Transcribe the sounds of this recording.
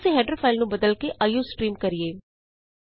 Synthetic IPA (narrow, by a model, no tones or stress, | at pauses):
seɦɛːɖɾəfʰaːɪlnũbəd̪əlkeʔajuːsʈɾiːmkɐɾieː